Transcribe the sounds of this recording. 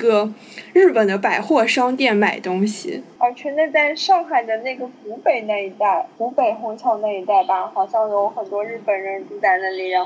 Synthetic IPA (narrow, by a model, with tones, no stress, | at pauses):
ɡə˧ | ɻɻ̩˥˩pə˨˩nd̪ə˦pa˨˩ɪxwɔ˥˩ʂɑ˥ŋt̪jɛ˥˩nma˨˩ɪt̪ʊ˥ŋɕḭ˨˩ə˧t͡ɕʰɥɛ˧˥nə˥˧t͡sa˥˧ɪʂɑ˥˧ŋxa˨˩ɪd̪ə˧˦na˥˩ɡə˩ku˧˥pe˨˩ɪna˥˩i˧˥t̪a˥˩ɪku˧˥pe˨˩ɪxo˧˥ŋt͡ɕʰɑ˥˧ʊna˥˩i˧˥t̪a˥˩ɪba˧˨˩xɑ˨˩ʊɕjɑ˥˩ŋjo˧˥ʊxə˨˩nt̪wɔ˥ɻɻ̩˥˩pə˨˩nɻə˧˥ntu˥˧t͡sa˥˧ɪna˥˩li˧˥˩ɻɑ˥˩